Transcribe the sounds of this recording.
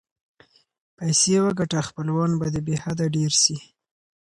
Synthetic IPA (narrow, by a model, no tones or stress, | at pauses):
pajsewaɡaʈaxpəlwɑnbad̪ebehad̪aɖeɾʃi